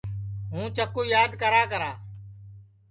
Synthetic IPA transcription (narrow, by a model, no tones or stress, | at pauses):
ɦũːt͡ʃəkuːjaːd̪ʱkəɾaːkəɾaː